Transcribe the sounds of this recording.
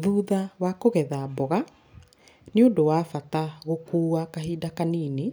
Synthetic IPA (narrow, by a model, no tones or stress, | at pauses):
ðuːðawakoɣɛðabɔɣa | neondowafataɣokuːakaɦiːdakaniːne